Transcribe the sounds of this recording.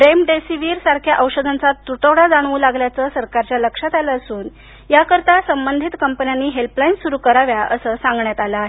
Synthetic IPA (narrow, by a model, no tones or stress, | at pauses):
ɾemɖesiʋiːɾsaɾkʰjaʔəwɕəd̪ʱant͡sat̪ːɾuʈəwɽad͡zaɽ̃uːlaɡljat͡səːsəɾkaɾt͡ɕjaləkʂat̪aləːsuːn | jakəɾt̪asəmbənd̪ʱit̪kəmpənjanːiːɦelplainsuɾuːkəɾaʋjaʔəsəːsãŋɡɳjat̪alaɦe